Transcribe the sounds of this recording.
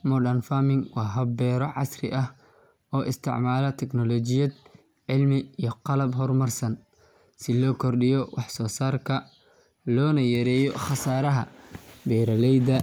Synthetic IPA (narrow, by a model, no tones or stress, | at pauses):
mɔɖɐnfamɪŋwɑːɦɐbɛːɾɔʕɑsrɪ̰ʔɐh | ɔːʔɪst̪ʰɪ̰ʕmaːlɐt̪ʰɛknɔlɔt͡ʃɪjɐd̪ | ʕɪlmɪiːjɔqɑlɐbɦɔrmɐrsɐn | sɪlɔːkʰɔrɖɪjɔwɑħsɔːsaːrkʰɐ | lɔːnɐjɐɾɛːjɔχɑsaːɾɐɦɐ̰bɛːɾɐlɛjd̪ɐ